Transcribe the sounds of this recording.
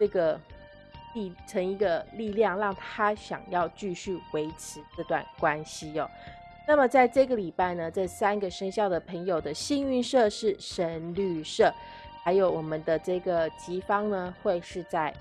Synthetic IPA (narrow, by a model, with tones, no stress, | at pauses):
ʈ͡ʂɤ˥˩ɡə˩ | li˥˧ʈ͡ʂʰə˧˥ŋi˧˥ɡə˧li˥˧ljɑ˥˧ŋɻɑ˥˩ŋt̪ʰa˥ɕjɑ̰˨˩ŋjɑ˥˧ʊt͡ɕy˥˧ɕy˥˩we˧˥ɪʈ͡ʂʰɻ̩˧˥ʈ͡ʂɤ˥˧t̪wa̰˥˩nkwa˥nɕi˧˥ɔ̰˩ | na˥˩mə˩t͡sa˥˧ɪʈ͡ʂɤ˥˩ɡə˩li˨˩pa˥˩ɪnə˩ʈ͡ʂɤ˥˩sa˥nɡə˨ʂə˥ŋɕjɑ˥˩ʊd̪ə˩pʰə˧˥ŋjo˨˩ʊd̪ə˦ɕi˥ŋy˥˧nʂɤ˥˧ʂɻ̩˥˩ʂə˧˥nly˥˧ʂɤ˥˩ | xa˧˥ɪjo˧˩ʊwɔ˨˩mə˨˦nd̪ə˦ʈ͡ʂɤ˥˩ɡə˩t͡ɕi˧˥fɑ˥ŋnə˧xwe˥˧ɪʂɻ̩˥˧t͡sa˥˩ɪ